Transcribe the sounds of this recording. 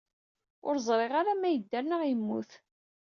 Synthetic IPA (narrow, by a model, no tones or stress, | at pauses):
ʊɾzˤɾˤeʁaɾamæjəd̪ːæɾnəʁjəmːuθ